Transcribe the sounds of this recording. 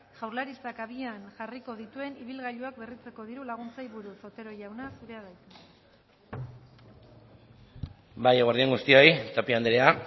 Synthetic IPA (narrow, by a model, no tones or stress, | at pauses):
ʝawɾlaɾist̪akaβ̞ianʝariko̞ð̞it̪ue̞niβ̞ilɣaʎuakberit͡se̞ko̞ðiɾulaɣ̞unt͡sajβuɾuso̞t̪e̞ɾo̞jawnasuɾe̞aðajt̪u | bajɣwaɾðiaŋɡust̪io̞jt̪apiand̪eɾea